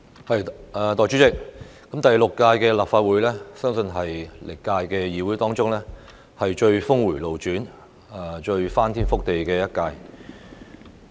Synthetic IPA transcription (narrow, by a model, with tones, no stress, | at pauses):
hɐ˨˩jɛː˨˩t̪ɔː˨jt͡ʃy˨˥t͡sɪ˨˩k̚kːɐ˨˥mt̪ɐ˨jlʊ˨kːaː˧jkɛː˧laː˨p̚faː˧t̚wuː˨˥jlɛː˥sœː˥ŋsɵ˧nɦɐ˨jlʔɪ˨˩kːaː˧jkɛː˧jiː˨wu˨˥t̪ɔː˥ŋt͡sʊ˥ŋlɛː˥ | hɐ˨jt͡ʃɵ˧ɥfʊ˥ŋwuː˨˩jlo˨wt͡ʃyː˨˥n˨˩ | t͡ʃɵ˧ɥfaː˥nt̪ʰiː˥nfʊ˥k̚t̪e˨jkɛː˧jɐ˥t̚kaː˧j